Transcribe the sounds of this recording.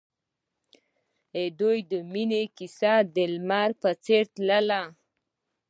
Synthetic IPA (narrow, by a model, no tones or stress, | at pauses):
ed̪ojd̪əminekisad̪elmaɾpat͡seɾt̪ləla